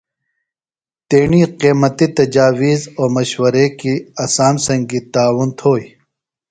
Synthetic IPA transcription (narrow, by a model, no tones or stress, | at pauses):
t̪eːɳiqiːmɐt̪it̪ɐd͡ʒaːwiːzoːɾmɐʃwɐɾekiɐsaːmsɐ̃ŋɡit̪aːwʊnt̪ʰoːi